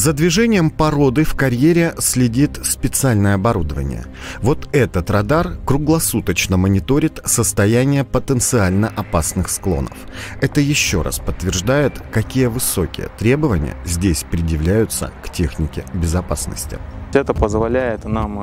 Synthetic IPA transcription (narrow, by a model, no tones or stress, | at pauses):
zəd̪vʲɪʐɛnʲɪjəmpɐɾo̞d̪ɨfkɐɾʲjeɾʲɪsʲlʲɪdʲit̪spʲɪt̪sɨalʲnəjəɐbɐɾud̪əvə̰nʲɪ̰jə̰ | vo̞t̪ɛt̪ət̪rɐd̪arkɾʊɡlˠɐsut̪ət͡ɕnəmənʲɪt̪o̞ɾʲɪt̪səst̪ɐjænʲɪjəpət̪ənt̪sɨalʲnəʔɐpasnɨxsklˠo̞̰nə̰f | ɛt̪əjɪɕːo̞ɾʔa̰spət̪ːvʲɪrʐd̪ajɪt̪kɐkʲijəvɨso̞kʲɪ̰jə̰t̪ɾʲe̞bəvənʲɪ̰jə̰zʲdʲesʲpɾʲɪdjɪvlʲæjʊt̪sə̰ktʲe̞xnʲɪkʲɪbʲɪzɐpasnə̰sʲtʲɪ̰ɛt̪əpəzvɐlʲæjɪt̪nam